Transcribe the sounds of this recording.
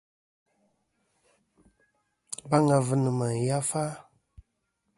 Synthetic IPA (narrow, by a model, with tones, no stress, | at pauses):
ba˦ŋa˨vɨ˨nɨ˨ma˨n˨ja˦fa˦